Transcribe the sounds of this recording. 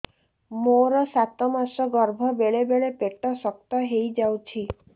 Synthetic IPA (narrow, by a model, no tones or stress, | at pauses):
moɾɔsat̪ɔmasɔɡɔɾbʱɔbeɭebeɭepeʈɔsɔk̚t̪ɔɦejd͡ʒawt͡ʃʰi